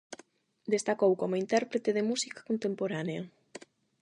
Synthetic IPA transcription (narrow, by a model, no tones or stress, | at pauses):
d̪est̪akowkomʊint̪ɛɾpɾet̪eðemusikḁkont̪empoɾaneɐ